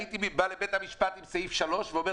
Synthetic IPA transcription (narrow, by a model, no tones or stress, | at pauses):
it̪imibalebet̪hamiʃpat̪imsajifʃalo̞ʃveome